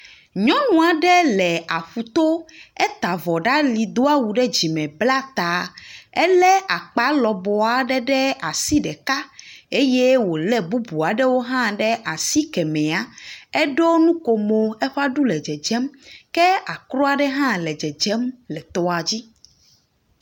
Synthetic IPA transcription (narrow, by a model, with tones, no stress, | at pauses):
ɲɔ̃˦nũ˨a˨ɖɛ˦lɛ˨a˨ɸu˨t̪o˦ɛ˦t̪a˨vɔ˨ɖa˦li˨d̪o˦a˦wu˨ɖɛ˦d͡ʑi˨mɛ̃˨bla˦t̪a˨ɛ˦lɛ˦a˨k͡pa˨˦lɔ˨bɔ˨a˨ɖɛ˦ɖɛ˦a˨si˦ɖɛ˨ka˦e˦je˦wo˨lɛ˦bu˦bu˨a˨ɖɛ˦wo˦ɦã˦ɖɛ˦ʔa˨si˦kɛ˨mɛ̃˨a˦ɛ˦ɖo˦nũ˦ko˨mo˨ɛ˦ɸa˦ɖu˦lɛ˨d͡ʒɛ˨d͡ʒɛ˦mkɛ˦a˨kɾɔ˦a˦˨ɖɛ˦ɦã˦lɛ˨d͡ʒɛ˨d͡ʒɛ˦mlɛ˨t̪ɔ˦a˨d͡ʑi˦